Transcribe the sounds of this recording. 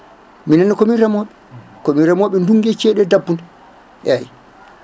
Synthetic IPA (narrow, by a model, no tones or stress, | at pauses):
minanikɔminɾamɔɓɛkɔminɾamɔɓɛnduŋɡɛt͡ʃɛɗɛdabːun | ʔaji